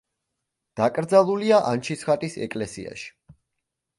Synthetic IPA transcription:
d̪̥akʼɾd̪zalˠuliaʔa̰nt͡ʃʰisχat̪ʼisɛ̰kʼlɛsḭa̰ʃi̥

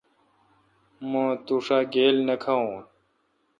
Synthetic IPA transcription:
mõːt̪uːʂaːɡeːlnəkʰaõː

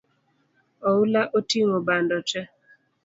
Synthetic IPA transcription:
ɔulaʔotiŋobandɔt͡ʃɛ

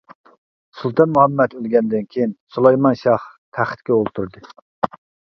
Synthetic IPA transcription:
sulˠt̪ɑnmuhɛmːɛt̪ølɡʲɛnd̪ɪnkʲʰejinsulˠɑjmɑnʃɑh | t̪ʰæχt̪kʲɛolˠt̪ʰuɾd̪ɨ

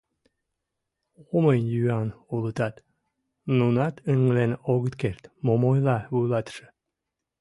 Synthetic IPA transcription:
oməjnjyɑnulˠət̪ɑt̪ | nunɑt̪ʰəŋlenoɣət̪keɾt̪momojlɑβulɑt̪ʃə̥̆

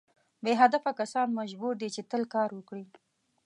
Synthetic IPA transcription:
beɦad̪afakasɑnmaʒbuɾd̪et͡ʃet̪əlkɑɾwəkɽi

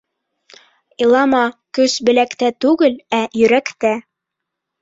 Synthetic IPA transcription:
ilˠɑmɑkɵsbɘ̆lækt̪æt̪ʉɡɘlæjɵ̆ɾækt̪æ

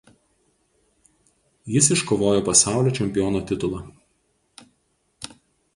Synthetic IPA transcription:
jɪs̬ɪʃkoːʋoːjoːpɐsɑˑʊlʲoːt͡ʃʲɛmʲpʲɪjoːnoːt̪ʲɪt̪ʊlˠɐˑ

